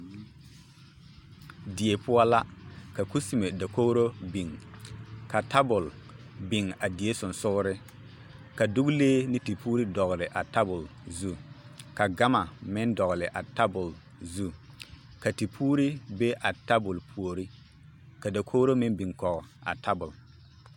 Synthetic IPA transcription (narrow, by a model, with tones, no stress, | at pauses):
di˨e˨pʰʊ˦a˦la˦ka˨ku˦si˨me˨da˨ko˦ɾo˦bi˨ŋ | ka˨ta˦bʊ˨l | bɪ˨ŋa˨di˨e˦sʊ˨n˨sʊ˦ɣɾɪ˦ | ka˨dʊ˦ɡleː˦nɪ˦ti˨puː˦ɾi˦dɔ˨ɣlɪ˨ʔa˨ta˦bʊ˨lzu˦ka˨ɡa˦ma˨mɪ˦ndɔ˨ɣlɪ˨ʔa˨ta˦bʊ˨l | zu˦ | ka˨ti˨pʰuː˦ɾi˦be˦ʔa˨ta˦bʊ˨lpʰu˨o˨ɾi˦ | ka˨da˨kʰo˦ɾo˦mɪ̃˦nbi˨ŋkɔ˨ɣɔ˨a̰˨tʰa˦bʊ˨l